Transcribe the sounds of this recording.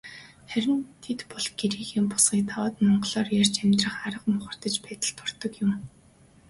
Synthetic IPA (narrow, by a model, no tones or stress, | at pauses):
χæɾʲɪ̆nt̪ʰet̪pɔɮɡ̥eɾiːxiːmpʊ̥sχiːk̚t̪ʰawːt̪mɔɴɢɞɮɔːrjar̥ʲt͡ɕæmʲt̪rə̆χaɾə̆qmʊχə̆r̥t̪ə̆t͡ɕpæːt̪ə̆ɬt̪ʰʊr̥t̪ɞ̆kjʊm